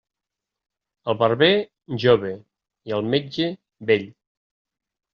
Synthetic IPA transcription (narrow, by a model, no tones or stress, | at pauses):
əlˠβəɾβe | ʒoβe | iəlˠmed͡ʒe | beʎ